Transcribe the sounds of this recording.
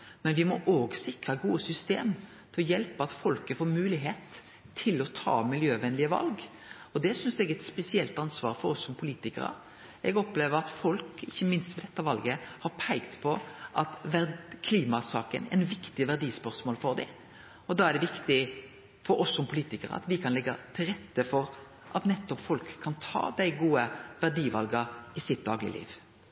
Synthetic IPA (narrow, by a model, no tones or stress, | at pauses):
mɛnʋɪmɔʔoːɡsɪkɾɑɡuːəsʏst̪ḛːm | t̪ʰɪlɔjɛlpəɑt̪fɔlkəfoːmʉːlɪɦeːt̪ʰː | ɪlɔt̪ʰɑ̰ːmɪljøːʋɛnlɪəʋɑ̰lɡ | ɔd̪ɛsʏnsd̪ɛɡɛt̪spɛsɪɛlt̪ɑnsʋɑ̰ːɾfɔɾɔsːɔmpʰʊliːt̪ɪkə̰ɾə̰ | ɛɡɔpleːʋəɾɑt̪fɔlkɪçːəmɪnst̪ʋɛd̪ɛt̪ːəʋɑlɡəhɑɾpʰæɪɡt̪pʰɔʔɑt̪ʋækʰliːmɑsɑːkə̰nɛ̰nʋɪkt̪ɪʋæʁd̪iːspœʁsmoːlfɔɾd̪ɪɪ | ɔd̪ɑːæʁɖ̪ɛʋɪkt̪ɪ | fɔɾɔsːɔmpʰʊliːt̪ɪkəɾə̰ɑ̰t̪ʋɪkʰɑnlɛɡːɑt̪ʰɪlɾʁɛt̪ːəfɔɾ | ʔɑt̪nɛt̪ːɔpfɔlkʰːɑnt̪ʰɑ̰ːd̪æɪɡuːəʋæʁɖiːʋɑlɡɑɪsɪt̪̚d̪ɑːɡlɪ̰lḭːʋ